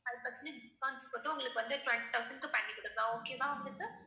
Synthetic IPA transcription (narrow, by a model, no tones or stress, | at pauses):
ɐɾpɐɾsɐnɪkaːnsipɐʈːɯʊŋɡɐɭɯkːɯʋɐnd̪ɯʈʋɛɳʈit̪ɐʊsɐ̃ɳɖkɯpɐɳːikːɔɽɯkːɐlãoːkeːmaːʊŋɡɐɭɯkːɯ